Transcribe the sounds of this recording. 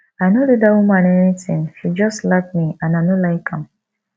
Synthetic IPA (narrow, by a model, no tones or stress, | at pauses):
aɪnodudawũmãnɛnitɪ̃ŋʃid͡ʒɔstlak̚miãnaɪnolaɪkʰãm